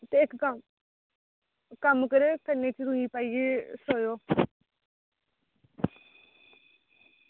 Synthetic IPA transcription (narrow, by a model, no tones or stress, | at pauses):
t̪eːɪkkəm | kəmkəɾeːkəneːt͡ʃʰiɾũiːpaːiːeːsoːjoː